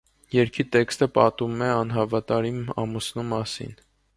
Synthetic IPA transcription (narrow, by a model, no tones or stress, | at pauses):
jɛɾkʰit̪ɛkst̪əpɑt̪umɛɑnɦɑvɑt̪ɑɾiɑ̰musnumɑsḭn